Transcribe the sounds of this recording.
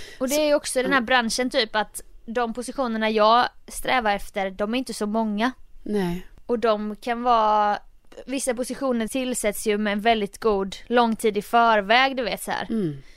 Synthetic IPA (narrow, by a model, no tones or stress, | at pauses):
ɔd̪ɛæɾjɔksɔd̪ɛnhæːɾbɾanʂənt̪ʰyːpat̪d̪ɔmpʰʊsɪɧuːnəɳajɑːɡst̪ɾɛːvaɾɛft̪əɾd̪ɔmæɾɪnt̪əsɔmɔŋːanɛɔd̪ɔmkʰanvɑː | vɪsːapʊsɪɧuːnəɾt̪ʰɪlsɛt̪sjɵmɛːnvɛld̪ɪt̪ɡuːd̪lɔŋːt̪ʰiːd̪ɪfœːɾvɛːɡd̪ɵveːt̪sɔhæ̰ːɾ